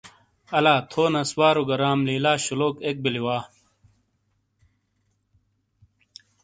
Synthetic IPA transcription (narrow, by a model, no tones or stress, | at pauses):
ɐlaːt̪ʰoːnɐswaːɾoɡɐɾaːmliːlaːɕuloːkek̚biliwaː